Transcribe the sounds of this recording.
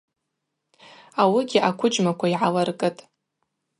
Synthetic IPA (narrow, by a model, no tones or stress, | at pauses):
awiɡʲɪʔakʷʰʊd͡ʒʼmakʷʰaiʕalarkʼɨtʼ